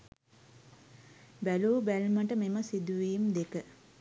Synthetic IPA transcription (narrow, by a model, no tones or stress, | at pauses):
bæluːbælməʈəmeməsid̪uʋiːmd̪ekə